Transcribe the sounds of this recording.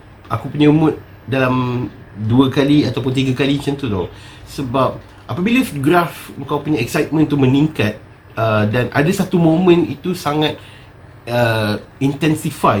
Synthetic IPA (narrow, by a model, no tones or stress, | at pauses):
ʔakupuɲamʊt̪̚ | dalam | duakaliat̪awp̬ʊnt̪iɡakalimət͡ʃant̪ut̪ɔh | səbap̚ | ʔapabilaft̪oɡɾafəŋkawpuɲãɛk̚sajt̪̚mə̃nt̪umə̃nĩŋkat̪̚ | ədanʔa̰dasat̪umõmə̃nḭt̪usaŋãt̪̚ | əint̪ɛnsifaj